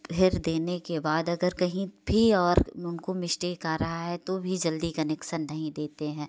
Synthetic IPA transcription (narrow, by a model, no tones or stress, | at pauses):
bʰɪɾd̪eːnekebaːd̪ɐɡəɾkɐɦĩbʱiɔːɾʊnkomɪʃʈekaːɾɐɦaɦɛt̪obʱid͡ʒɐld̪ikɐnɛkʃənːɐɦĩd̪eːt̪eɦɛ̃ː